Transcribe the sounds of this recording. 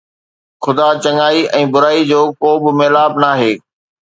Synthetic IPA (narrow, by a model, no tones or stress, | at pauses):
xʊd̪at͡ɕɐŋaːiɛ̃ːbʊɾaːid͡ʑoːkoːbɪmeːlaːbnaːɦeː